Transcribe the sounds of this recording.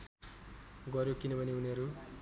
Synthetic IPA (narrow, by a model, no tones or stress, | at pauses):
ɡʌɾjokinʌbʱʌniuniʌɾu